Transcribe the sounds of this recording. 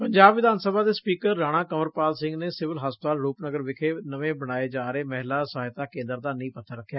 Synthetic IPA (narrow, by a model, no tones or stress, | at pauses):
pəɲd͡ʒaːbʋɪd̪aːnsəbaːd̪eːspiːkəɾːaːɽ̃aːkəməɾpaːlsɪ̃ŋɡneːsɪʋəlɦaːspət̪aːlɾuːpnəɡəɾʋɪkʰeːnəʋẽːbəɽ̃aːeːd͡ʒaːɾeːmɛɦlaːsaːɪt̪aːkẽːnd̪əɾd̪aːnəĩːpət̪ʰːəɾəkʰːjaː